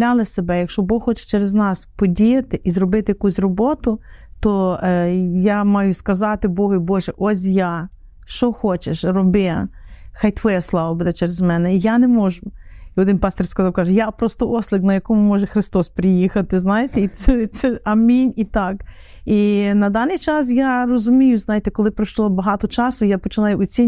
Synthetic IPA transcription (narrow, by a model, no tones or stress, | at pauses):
lʲalˠɪsebɛjɐkʃt͡ʃɔbɔxxɔt͡ʃɛ̥t͡ʃɛɾeznɑspɔdʲijɐt̪ɪʔizrɔbɪt̪ɪjɐkusʲrɔbɔt̪ʊt̪ɔ | jamɑjʊskɐzɑt̪ɪbɔɦɐjbɔʒɛʔɔs̬ʲja | ʃt͡ʃɔxɔt͡ʃeʃrɔbɪxɑjt̪ʋɔjɛslˠɑʋɐbud̪ɛt͡ʃɛɾezmɛnɛijanemɔʒʊiɔd̪ɪnpɑsʲt̪ʲirʲskɐzɑwkɑʒɛjapɾɔst̪ɔʔɔslʲˠɪknɐjɐkɔmʊmɔʒɛxɾɪst̪ɔspɾɪjixɐt̪ɪznɑjet̪ɛiɛsɛɐmʲinʲit̪ɑk | inɐd̪ɑnːɪjt͡ʃɑsjarɔzʊmʲijʊznɑjet̪ɛkɔlˠɪpɾɐʃlˠɔbɐɦɑt̪ɔt͡ʃɑsʊjapɔt͡ʃɪnɑjʊɔt͡sʲinʲ